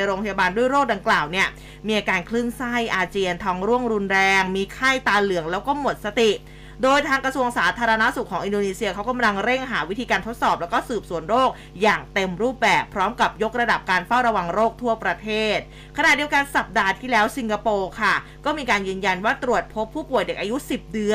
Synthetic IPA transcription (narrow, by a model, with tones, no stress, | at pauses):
jɾoː˧pʰa˧ja˧baː˧ndu˥˩əjɾoː˥˩k̚da˧ŋklaː˨˩wni˥˩ɐ | miː˧ʔaː˧kaː˧nkʰlɯ˥˩ŋsa˥˩jʔaː˧t͡ɕiː˧ənt̪ʰɔː˧ŋɾu˥˩əŋɾu˧nɾɛː˧ŋmiː˧kʰa˥˩jt̪aː˧lɯ˩˦əŋlɛː˦˥wkɔː˥˩mo˨˩t̪̚sa˧t̪i˨˩ | doː˧jt̪ʰaː˧ŋkɾa˧su˧əŋsaː˩˦t̪ʰaː˧ɾa˧na˦˥su˨˩kʰːɔː˩˦ŋʔi˧ndoː˧niː˧si˧ɐkʰa˦˥wka˧mla˧ŋɾe˥˩ŋɦaː˩˦wi˦˥t̪ʰiː˧kaː˧nt̪ʰo˦˥t̪̚sɔː˨˩p̚lɛː˦˥wkɔː˥˩sɯː˨˩p̚su˩˦ənɾoː˥˩k̚ | jaː˨˩ŋt̪e˧mɾuː˥˩p̚bɛː˨˩pʰːɾɔː˦˥mka˨˩p̚jo˦˥k̚ɾa˧da˨˩p̚kaː˧nfa˥˩wɾa˧wa˧ŋɾoː˥˩k̚t̪ʰu˥˩ɐpɾa˧t̪ʰeː˥˩t̪̚ | kʰa˧na˨˩t̪̚di˧əwka˧nsa˨˩p̚daː˧t̪ʰiː˥˩lɛː˦˥wsi˧ŋka˧poː˧kʰa˥˩kɔː˥˩miː˧kaː˧njɯː˧nja˧nwaː˥˩t̪ɾu˨˩ət̪̚pʰo˦˥pʰːuː˥˩pu˨˩əjde˨˩k̚ʔaː˧ju˦˥si˨˩p̚dɯ˧˥ə